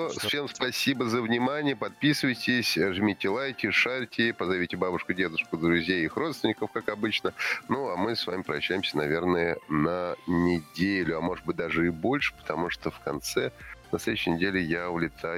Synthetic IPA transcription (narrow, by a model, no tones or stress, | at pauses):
fsʲe̞mspɐsʲibəzəvnʲɪmanʲɪjəpɐt̪̚pʲisɨvəjtʲɪsʲʐɨmʲitʲɪlˠajtʲɪʂaɾʲtʲɪpəzɐvʲitʲɪbabʊʂkʊdʲe̞d̪ʊʂkʊd̪ɾʊzʲjejixrot̪st̪vʲɪnʲːɪkəfkakɐbɨt͡ɕnənuamɨsva̰mʲɪpɾəɐɕːæjɪmsʲənɐvʲe̞rnəjənənʲɪdʲelʲʊɐmo̞ʐɨd̪̚bɨt̚ʲd̪aʐɨɪbo̞lʲʂɨ̥pə̥t̪ɐmuʂt̪ofkɐnt̪sɛnɐst̪ed̪ɕːɪjnʲɪdʲelʲɪjaʊlʲɪt̪ʰa